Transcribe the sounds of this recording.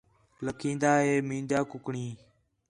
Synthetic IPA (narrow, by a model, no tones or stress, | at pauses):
ləkʰĩːnd̪aːɦeːmĩːnd͡ʒaːkʊkɳiː